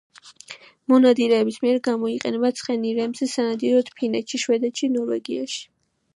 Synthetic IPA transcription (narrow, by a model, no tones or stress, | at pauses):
mɔnad̪iɾɛːbismiɛɾɡamɔiqʼɛnɛbat̪sʰχɛniɾɛmzɛsanad̪iɾɔt̪ʰpʰinɛt̪ʃiʃwɛd̪ɛt̪ʃinɔɾvɛ̰ɡiaʃi̥